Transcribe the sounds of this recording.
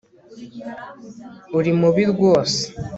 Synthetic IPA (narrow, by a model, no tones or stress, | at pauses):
uɾimuβiɾɡwo̞ːse̥